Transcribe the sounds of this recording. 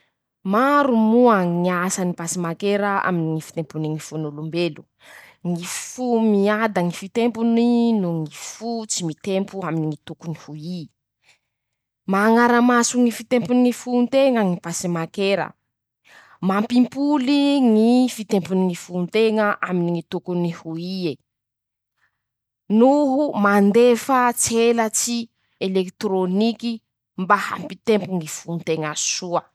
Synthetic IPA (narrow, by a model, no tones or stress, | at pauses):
maɾumuaŋiasənipasimakeɾəa̰miniŋifi̥t̪empuniŋifunulumbelu̥ | ŋifumiad̪əŋifit̪empuninuŋifut͡simit̪empuaminiŋit̪ukunihui | maːŋaɾəmasuŋifit̪empunŋifunt̪eŋəŋipasimakeɾə̰ | mampimpuliŋifit̪empuniŋifunt̪eŋəʔaminiŋit̪ukunihuie | nuɦumand̪efət͡selət͡si | elekt̪ɾoniki | mbaha̰mpit̪empuŋifunt̪eŋasuə